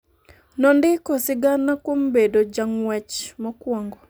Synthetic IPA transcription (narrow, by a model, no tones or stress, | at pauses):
nɔndɪkɔsɪɡanːakwombedod͡ʒaŋwɛt͡ʃmɔkwɔŋɡɔ